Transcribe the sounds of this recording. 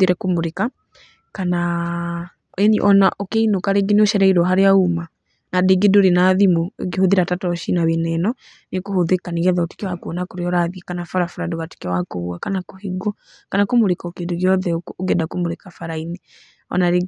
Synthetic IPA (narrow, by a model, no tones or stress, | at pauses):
iɾɛkomoɾeka | kana | enḭʔɔnaʔɔkeinokaɾeɡinoʃɛɾɛiɾɔɦaɾeauma | nadeɡedoɾenaðimo̰ɡehoðiɾatatɔʃinaβenɛnɔ | nekohoðekaniɣɛðaoti̥kewakonakoɾeɔɾaðikanafɔɾafaɾadoβati̥kɛwakoβuakanakoheɡɔ | kanakomoɾekɔkedoɣjɔðɛoɡɛdakomoɾekafaɾaini | ɔ̰naɾe